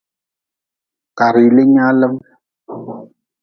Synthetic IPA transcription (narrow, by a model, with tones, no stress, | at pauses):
ka˨ɾi˨lə˦ɲa˦lə˦m